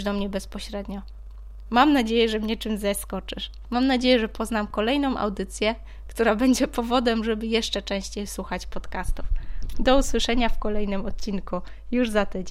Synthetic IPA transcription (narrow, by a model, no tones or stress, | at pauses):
d̪ɔmɲɛbɛspɔɕɾɛd̪ɲɔ | mamnad͡ʑejɛʐɛmɲɛt͡ʂɘmzɛskɔt͡ʂɘʂ | mamnad͡ʑejɛʐɛpʰɔznamkɔlɛjn̪ɔ̃w̃ʔa̰wd̪ɘt̪sʲjɛ | kt̪uɾabɛɲd͡ʑɛpɔvɔd̪ɛmʐɛbɘjɛʂt͡ʂɛt͡ʂɛ̃w̃ɕt͡ɕejswuxat͡ɕpɔt̪kast̪ufd̪ɔuswɘʂɛɲafkɔlɛjnɘmɔt̪̚t͡ɕinku | juʐzat̪ɘd͡ʑ